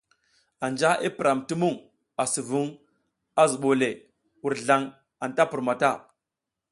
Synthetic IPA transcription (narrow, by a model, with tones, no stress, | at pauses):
a˨nd͡ʒa˦ʔi˦pi˨ɾʔa˨mti˦mu˦˨ŋ | a˨su˨vu˦ŋ | a˦zu˨ɓo˨le˨ | wu˨ɾɮa˨ŋ | a˨nta˦pu˨ɾma˨ta˦